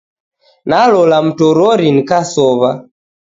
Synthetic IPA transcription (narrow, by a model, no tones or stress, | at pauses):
nalɔlam̩tɔɾɔɾinikasɔβa